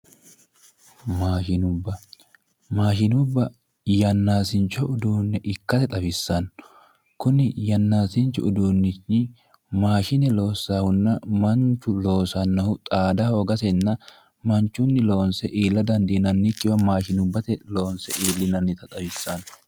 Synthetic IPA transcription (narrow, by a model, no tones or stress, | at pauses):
maːʃɪnʊbːɐ | maːʃɪnʊbːɐ | jɐnːaːsɪnt͡ʃːɔʊd̪uːnːɛʔɪkːɐt̪ɛt̪ʼɐbɪsːɐn | kʊnɪjɐnːaːsɪnt͡ʃːʊʊd̪uːnːɪt͡ʃɪ | maːʃɪnɛlo̞ːsːaːhʊnːɐmɐnt͡ʃːʊlo̞ːsɐnːɐhʊt̪ʼaːd̪ɐhoːɡɐsɛnːɐ | mɐnt͡ʃːʊnːɪlo̞ːnsɛʔiːlːɐd̪ɐnd̪iːnɐnːɪkːɪwɐmaːʃɪnʊbːɐt̪ɛlo̞ːnsɛʔiːlːɪnɐnːɪt̪ɐt̪ʼɐbɪsːɐn